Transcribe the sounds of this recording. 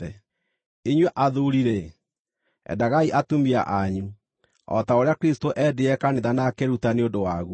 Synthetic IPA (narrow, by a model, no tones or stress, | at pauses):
ɛ | eɲwɛʔaðoɾiɾe | ɛ̰daɣaiʔatumia̰ʔaɲu | ɔ̰taoɾeakɾistoʔɛdeɛkaneðanakeɾutaneodowaɣu